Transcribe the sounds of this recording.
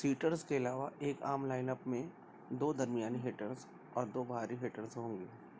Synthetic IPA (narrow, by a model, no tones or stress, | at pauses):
siːʈəɾskeɪlaːʋaʔeːkaːmlaːɪnəpmẽ | d̪oːd̪ɐɾmijaːniɦeːʈəɾz | ɔːɾd̪oːbʱaːɾiɦeːʈəɾzɦõːŋɡeː